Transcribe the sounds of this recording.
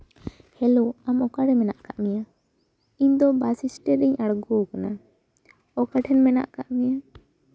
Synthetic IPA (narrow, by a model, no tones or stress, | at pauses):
hɛloamɔkaɽɛmɛnaʔkaʔmija | iɲd̪ɔbasisʈɛɾiɲaɽɡɔkana | ɔkaʈʰɛnmɛna̰ʔkaʔmija